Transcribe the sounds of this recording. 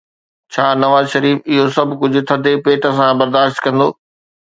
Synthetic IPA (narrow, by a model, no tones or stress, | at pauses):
t͡ɕʰaːnɐʋaːzʃɐɾiːfɪɦosɐbʱkʊd͡ʑʱʊ̆t̪ʰɐd̪ʱepeːʈəs̬ãbɐɾd̪aːʃt̪kɐ̃nd̪oː